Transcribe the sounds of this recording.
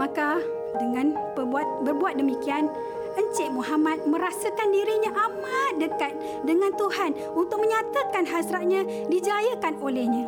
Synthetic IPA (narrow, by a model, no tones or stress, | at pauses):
maka | dəŋãnpərbat̪̚bərbuat̪̚dəmikian | əɲt͡ʃɛʔmuɦamat̪̚mə̃ɾasəkandiɾiɲãʔamat̪̚dəkat̪̚ | dəŋãnt̪uhan | unt̪ʊk̚məɲat̪akanɦasɾat̪̚ɲã | did͡ʒajəkanolɛhɲã